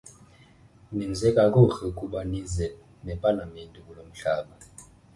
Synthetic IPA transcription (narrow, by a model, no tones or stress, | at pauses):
nind͡zʱɛkʼakʼuɬɛukʼuɓanizɛ | mɛpʼalamentʼikʼulom̩ɬaːɓa